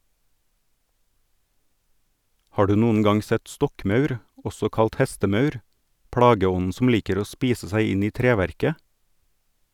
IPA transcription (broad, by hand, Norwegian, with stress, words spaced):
ˈhɑː ˈɖʉː ˈnuːən ˈɡɑŋ ˈsɛt ˈstɔkˌmɑʉɾ ˈɔsɔ ˈkɑlt ˈhɛstəˌmɑʉɾ ˈpɽɑːɡəˌɔnn̩ sm̩ ˈliːkəɾ ˈoː ˈspiːsə ˈsæɪ ˈɪn ˈiː ˈtɾeːˌʋæɾkə